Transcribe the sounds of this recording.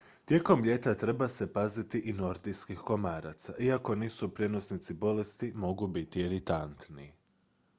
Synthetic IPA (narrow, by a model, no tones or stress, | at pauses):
t̪je̞ko̞mʎe̞t̪at̪ɾe̞base̞pazit̪iʔino̞ɾd̪iskixko̞maːɾat̪saʔiako̞niːsupɾje̞no̞snit̪sibo̞le̞st̪imo̞ɡubit̪ieɾit̪ant̪ni